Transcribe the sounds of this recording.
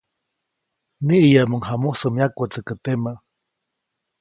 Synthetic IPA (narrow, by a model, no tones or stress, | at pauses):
niʔijamuŋhamuhsəmjakət͡səkət̪ema